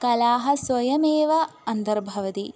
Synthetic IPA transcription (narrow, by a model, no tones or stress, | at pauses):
kɐlaːɦɐsʋɐjɐmeːʋɐɐnd̪ɐɾbʱɐʋɐt̪i